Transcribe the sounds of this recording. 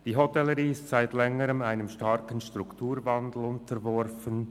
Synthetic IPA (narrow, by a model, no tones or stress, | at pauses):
d̥iːɦotɛləɾiːɪstsaɪtlɛŋəɾəmaɪnəmʃtɑɾkənʃtʁ̥ʊktʰuːɾvandl̩ʊntəɾvɔɾfən